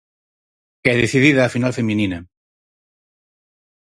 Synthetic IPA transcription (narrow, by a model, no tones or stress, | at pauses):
kɛðeθiðiðɐːfinalfemĩninɐ